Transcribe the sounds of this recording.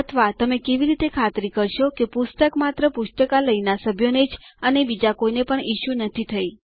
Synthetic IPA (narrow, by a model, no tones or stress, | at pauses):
ət̪ʰəʋat̪əmekeʋiɾit̪ekʰat̪ɾikəɾʃokepʊst̪əkmat̪ɾəpuʃt̪əkaləinasəbʱjoned͡ʒənebid͡ʒakoinepəɳiʃunət̪ʰit̪ʰəi